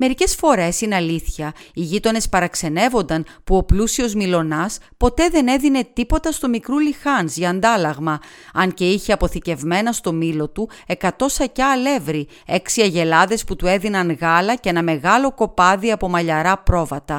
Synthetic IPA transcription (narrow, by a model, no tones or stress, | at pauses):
me̞ɾice̞sfo̞ɾe̞sinɐliθçɐiʝit̪o̞ne̞spɐɾɐkse̞ne̞vo̞nd̪ɐnpuo̞plusio̞zmilo̞nɐspo̞t̪e̞ðe̞ne̞ðine̞t̪ipo̞t̪ɐst̪o̞mikɾulixɐnzʝɐːnd̪ɐlɐɣmɐɐnce̞içeɐpo̞θice̞vme̞nɐst̪o̞milo̞t̪u | e̞kɐt̪o̞sɐcɐːle̞vɾi | e̞ksiɐʝe̞lɐðe̞sput̪ue̞ðinɐnɣɐlɐceenɐme̞ɣɐlo̞ko̞pɐðiɐpo̞mɐʎɐɾɐpɾo̞vɐt̪ɐ